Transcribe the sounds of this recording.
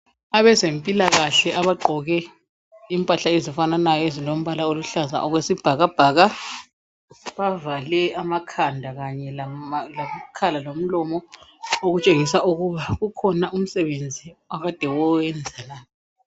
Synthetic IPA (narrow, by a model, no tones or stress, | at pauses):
aβɛzempʼilaɣaɬɛʔaβaǃʱɔɣɛ | impʼaɬaezifananajɔezilom̩βalaoluɬaza̰ʔɔɣwesib̥ʱaɣab̥ʱaːɣa | βavalɛamakʰandʱaɣaɲɛlalakʰalalom̩lɔmɔoɣut͡ʃʼeŋisaʔuɣuβaɣukʰɔnaʔum̩sɛβend͡zʱiwaɣad̥ʱɛwɔwɛnd͡zʱanaːjɔ